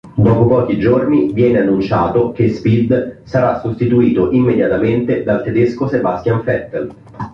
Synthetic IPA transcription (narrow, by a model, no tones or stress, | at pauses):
d̪ɔːpopɔːk̟id͡ʒornivjɛːneanːunt͡ʃaːt̪ok̟espid̪saɾasːost̪it̪uiːt̪oʔimːed̪jat̪ament̪ed̪alt̪ed̪eskosebast̪jaɱfɛt̪ːel